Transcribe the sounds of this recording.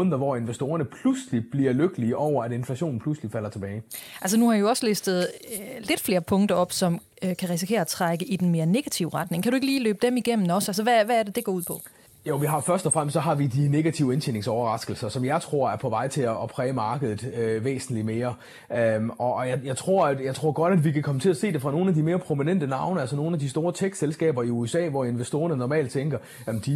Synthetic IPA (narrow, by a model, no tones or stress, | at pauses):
nðˠɐʋɒe̝nʋesd̥o̝ːɐnəpʰluslib̥liɐløɡ̥əliəʔɒʊ̰ɐæɾe̝nflæɕo̝̰ːn̩pʰluslifæl̰ɐt͡sʰe̝b̥ɛːɪæls̬ənuhɑ̈ioɒ̽slesd̥ð̞̩ˠle̝d̥fle̝ːɐpʰɔ̽ŋd̥ɐɒ̽b̥sɒ̽m | kʰæʁisikʰe̝̰ːɐɒt͡sʰʁaɡ̥əʔid̥en̩me̝ːɐne̝ɡ̥æt͡sʰiʊʁɑ̈d̥ne̝ŋkʰæɾueɡ̥əliːløːb̥əd̥emiɡ̥em̰n̩ɒ̽sæls̬ɐʋæʋææɐd̥e̝d̥e̝ɡ̥ɒ̰ːuð̰ˠpʰɒ̽ | joʋiɦɑ̈fɶɐsd̥ɒ̽fʁam̰stsɒ̽ɦɑ̈ʋid̥ine̝ɡ̥æt͡sʰiʊ̰əenʰene̝ŋsɒʊɐʁɑ̈sɡ̥l̩sɐsɒ̽mjɑ̈ɪt͡sʰʁo̝ɐ̰æɐpʰɒ̽ʋɑ̈ɪ̰t͡sʰe̝ɒ̽pʰʁɛːmɑ̈ːɡ̥əð̞ˠð̩ˠøʋḛːsn̩lime̝ːɐ | ømɒ̽ːjɑ̈jɑ̈ɪt͡sʰʁo̝ɐ̰æd̥jɑ̈ɪt͡sʰʁo̝ɐ̰ɡ̥ɒ̽ɾ̥æd̥ʋikʰækʰɒ̽mət͡sʰe̝læse̝̰ːd̥e̝fʁɑ̈no̝ːn̩æd̥ime̝ːɐpʰʁo̝minen̰d̥ənɑ̈ʊnəælsɒno̝ːn̩æd̥isd̥o̝ːɐt͡sʰeɡ̥selsɡ̥ɛ̰ːb̥ɐiuesɛ̰ːʋɒe̝nʋesd̥o̝ːɐnənɒmɛ̰ːld̥̚t͡sʰeŋɡ̥ɐ | jæmn̩d̥i